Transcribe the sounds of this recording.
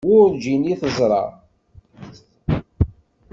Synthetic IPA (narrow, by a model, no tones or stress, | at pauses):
ʊɾd͡ʒiniθəzˤɾˤɑ̰